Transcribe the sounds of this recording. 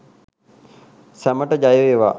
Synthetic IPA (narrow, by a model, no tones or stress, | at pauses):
sæməʈəd͡ʒajəʋeːʋa̰ː